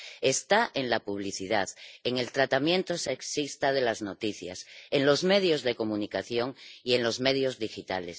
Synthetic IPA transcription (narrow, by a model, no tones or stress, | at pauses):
e̞st̪aʔe̞nlapuβ̞liθiðaðe̞ŋe̞lt̪ɾat̪amjẽ̞nt̪o̞seksist̪að̞e̞lazno̞t̪iθja̰se̞nlo̞zme̞ðjo̞zðe̞ko̞munikaθjo̞ŋie̞nlo̞zme̞ð̞jo̞zðixit̪a̰le̞̰s